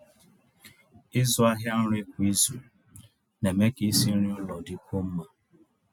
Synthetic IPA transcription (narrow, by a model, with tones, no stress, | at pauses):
ɪ˦zʊ˦a˦ɦja˦n̩˦ɾʊ˦ɪ˦kʷi˦ze˨ | ne˨me˦ki˦si˦n̩˦ɾi˦ʊ˦lɔ˨dɪ˦kʷo˦m̩˦ma˦